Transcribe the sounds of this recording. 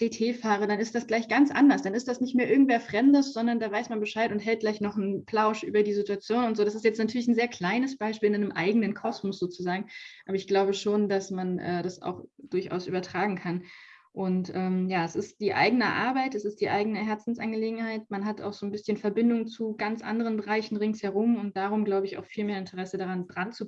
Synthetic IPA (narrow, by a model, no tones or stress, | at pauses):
d̥eːtʰeːfaːʁ̞ədanɪstd̥asɡ̥laɪçɡ̥ant͡sʔa̰ndɐsd̥anɪstd̥asnɪçtmeːɐʔɪɐɡŋ̩tveːɐfʁ̥ɛmdəsz̥ɔndɐndaːvaɪsmanbəʃaɪtʊntɦɛlt̚ɡ̥laɪçnɔχn̩pʰlaʊʃʔy̰ːbɐdiːzituat͡sjoːnʊntz̥oːɾasɪstjɛt͡stnatʰyːɐlɪçn̩zeːɐkʰl̥aɪnəsb̥aɪʃpiːlanəmʔa̰ɪɡənənkʰɔsmɔsz̥oːt͡suzaːɡŋ̩ʔaːbɐɪçɡ̥laʊbəʃoːndasmanʔɛ̰ːdasa̰ʊxd̥ʊɐça̰ʊsʔy̰ːbɐtʁ̥aːɡŋ̩kʰan | ʔʊntʔɛːmjaːɛsɪstd̥iːʔa̰ɪɡənəʔa̰ɐbaɪtɛsɪstd̥iːʔaɪɡənəɦɛɐt͡sn̩sʔanɡəleːɡŋ̩haɪtmanɦata̰ʊxz̥oːnbɪsçənfɛɐbɪndʊŋt͡suɡant͡sʔa̰ndəʁ̞ənbəʁaɪçn̩ʁɪŋshɛɐʁ̞ʊmʊnt̚d̥aːʁ̞ʊmɡlaʊbəɪça̰ʊxfiːlmeːɐɪntʰəʁɛsədaʁandʁant͡su